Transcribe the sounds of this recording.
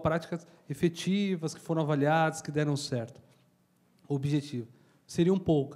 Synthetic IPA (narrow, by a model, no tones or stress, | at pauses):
pɾat͡ʃi̥kɐs | efet͡ʃivɐskɪ̥foɾɐ̃w̃avaliad̪ɐskɪd̪ɛɾɐ̃sɛɾt̪ʊ̥ | obiʒet͡ʃivɐ | seɾiɐũpowkɐ̥